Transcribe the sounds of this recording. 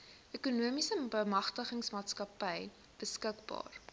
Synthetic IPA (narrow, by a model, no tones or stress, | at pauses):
ʔekunuəmisəbəmɐχtəχəŋsmɑːtskɐpəj | b̥əskəkbɑ̰ːr